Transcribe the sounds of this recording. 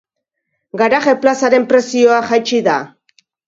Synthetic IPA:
ɡaɾaɣe̞plasaɾe̞mpɾe̞sio̞axajt͡ʃiða

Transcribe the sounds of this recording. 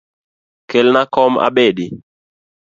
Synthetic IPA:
kelnakɔma̰ɓeɗi

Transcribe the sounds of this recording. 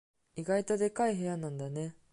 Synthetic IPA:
iɡait̪o̞d̪e̞kaiɦe̞janãnd̪ane̞

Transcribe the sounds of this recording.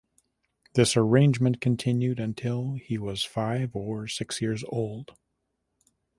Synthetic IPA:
ðɪsə˞ẽɪ̃nd͡ʒmɨ̃nkʰɨ̃ntʰɪ̃njʉɾɨ̃ntʰɪlˠiwʌz̥faɪvə˞sɪksjɪɹzo̰ʊlˠd̥

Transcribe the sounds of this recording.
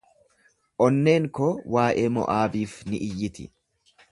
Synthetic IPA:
ʔɔnːe̞ːŋkowaːʔeːmɔ̰ʔaːbiːfnɪʔɪjːɪt̪ɪ̰

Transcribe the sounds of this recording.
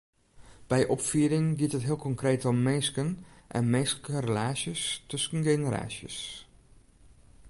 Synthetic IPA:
b̥ɛjʔɔpfyədɪŋɡiətɦətɦiəlˠkɔŋkreːtɔmːeskənʔɛ̰nmeːskərəlaːsjəstøskən̩ɡenəɾa̰ːsjə̰s

